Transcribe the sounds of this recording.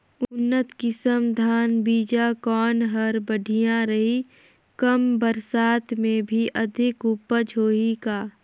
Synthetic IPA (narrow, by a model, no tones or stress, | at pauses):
ʊnːət̪kɪsəmd̪ʱaːnbiːd͡ʒakɔːnɦɐɾbəɖʱijãɾɐɦi | kəmbəɾsaːt̪mẽbʱiʔɐd̪ʱɪkʊpəd͡ʒʱoːikaː